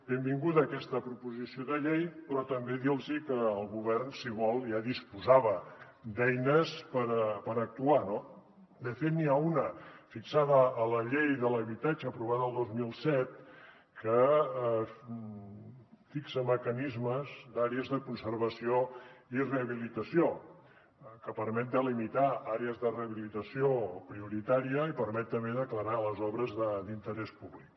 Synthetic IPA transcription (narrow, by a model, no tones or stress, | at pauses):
bembiŋɡuðəːkɛst̪əpɾupuzisioðəʎejpɾɔt̪əmbeðilˠzikəːlˠɣuβ̞ɛrnsiβɔlˠjaðispuzaβə | d̪ɛjnəspəɾpəɾək̚t̪uano | d̪əfet̪niaunəfiksaðəːləʎejðələβit̪ad͡ʒəːpɾuβ̞aðəlˠd̪ozmilˠsɛt̪̚ | kə | fiksəməkənizməzd̪aɾeəzðəkunsəɾβəsioireəβilit̪əsio | kəpəɾmɛt̪̚d̪əlimit̪aaɾeəzðəreəβilit̪əsiopɾiuɾit̪aɾiəipəɾmɛt̪̚t̪əmbeðəkləɾaləzɔβɾəzðəd̪int̪əɾɛspuβlik̚